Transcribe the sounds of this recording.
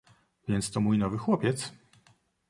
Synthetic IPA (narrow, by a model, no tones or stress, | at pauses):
vʲjɛnt̪st̪ɔmujnɔvɘxwɔpʲɛt̪s